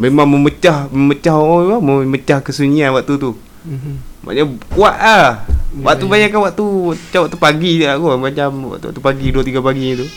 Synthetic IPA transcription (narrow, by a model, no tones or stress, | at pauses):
memaŋməmət͡ʃahməmət͡ʃahoɔemaməmət͡ʃahkəsuɲianwaʔt̪ut̪u | ma̰ʔɲakuaʔawaʔt̪ubaɲaʔkːanwaʔt̪uʔt͡ʃawaʔt̪upaɡiaʔkumat͡ʃamwa̰ʔt̪a̰ʔt̪ːupaɡiduat̪iɡapaɡiɲit̪u